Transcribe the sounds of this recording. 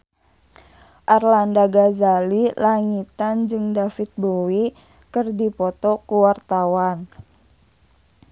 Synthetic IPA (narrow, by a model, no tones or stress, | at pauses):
ʔarlandaɡazalilaŋit̪and͡ʒɨŋdafit̪̚bowi | kɨrdipɔt̪ɔkuwart̪awan